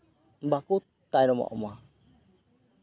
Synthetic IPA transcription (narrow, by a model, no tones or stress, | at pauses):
bakut̪ː | ajnɔma̰ʔɔma